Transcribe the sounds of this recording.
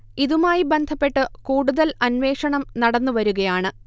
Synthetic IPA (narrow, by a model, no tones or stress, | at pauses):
iðumaːjibe̞nd̪ʱɐpːe̞ʈːɨkuːɽuðɐlɐnʋe̞ːʂɐɳɐmnɐɽɐnːuʋɐɾuɣɐjaːɳɨ